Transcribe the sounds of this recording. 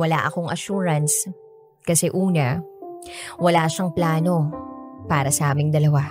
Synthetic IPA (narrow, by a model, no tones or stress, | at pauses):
wɐla̰ʔɐkoŋʔɐ̰ʃuːɾɐns | kɐsɛʔuːnɐ | wɐlaːʃɐŋplaːno̞paːɾɐsɐʔaːmɪŋd̪ɐlɐwa